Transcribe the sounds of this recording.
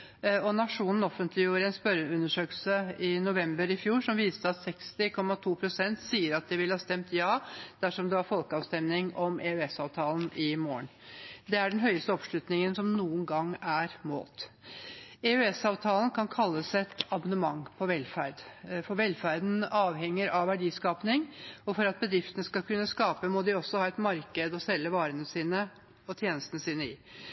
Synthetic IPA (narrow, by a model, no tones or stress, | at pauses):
ɔnɑʂuːnn̩ɔfənt̪ʰlɪjuːɾəɛnspœɾʉnːəʂøːkəlsəɪnʊʋɛmbəɾɪfjuːʂɔmʋiːst̪əɑt̪sɛkst̪ɪkʰɔmːɑt̪ʰuːpʰɾʊsɛnt̪siːəɾɑt̪̚d̪ɛʋɪlhɑːst̪ɛmt̪jɑːd̪̥æʂɔmd̪ɛʋɑɾfɔlkəɑːʋst̪ɛmnɪŋɔmɛʉɛsɑːʋt̪ʰɑːln̩ɪmoːəɳd̪ɛæɖɛnɦœʏəst̪əɔpʂlʉt̪nɪŋənsɔmnuːənɡɑŋːæɾmo̰ːt̪ | ɛʉɛsɑːʋt̪ʰɑːlən̩kʰɑnkʰɑlːəsɛt̪ɑbɑnəmɑŋpʰɔʋɛlfæɾd̪fɔɾʋɛlfæɾd̪n̩ɑːʋhɛŋːəɾɑʋʋːæɖiːskɑːpnɪŋɔfɔɾɑt̪̚bəd̪ɾɪft̪ənəskɑlkʉnːəskɑːpəmɔd̪ɪɔsːɔhɑːɛt̪mɑɾkəd̪ɔsɛlːəʋɑːɾənəsiːnə | ɔt̪ʰjeːnəst̪ənəsiːnəɪ